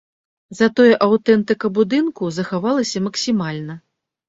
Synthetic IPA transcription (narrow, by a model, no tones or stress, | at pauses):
zɐt̪ɔjɛʔawt̪ɛnt̪ɨkɐbud̪ɨnkuzɐxavalˠɐsʲɐmɐksʲimalʲnɐ